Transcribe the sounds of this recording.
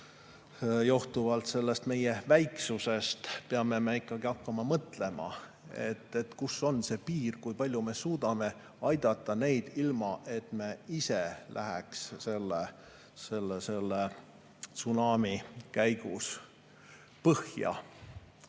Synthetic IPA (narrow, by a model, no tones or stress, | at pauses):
joht̪uvɑlt̪se̞lːest̪me̞je̞væjksuse̞st̪peɑme̞meikˑːɑɡ̥iɑkːɑmɑmɤt̪ˑle̞mɑ̰ | ḛt̪ːˑe̞t̪kusːo̞nse̞ːpiːrkujpɑlʲjume̞suːd̪̥ɑme̞ | ɑjd̪̥ɑt̪ˑːɑne̞jd̪̥ilmɑʔe̞t̪ˑme̞iselʔæ̰ɦɛksse̞lːe | se̞lːese̞lːe | t̪sunɑːmikæjɡ̥ṵs | pɤhjɑ̰